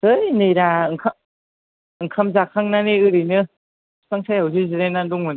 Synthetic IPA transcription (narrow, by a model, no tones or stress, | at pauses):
ɯjnɯjɾaɯŋkʰa | ɯŋkʰamzakʰaŋnaniɯɾinɯ | saŋsʰajɦawzɯziɾenanduŋmɯn